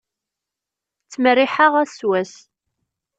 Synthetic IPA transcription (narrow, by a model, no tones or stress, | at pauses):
t͡sːmərːɪħaʁæswæs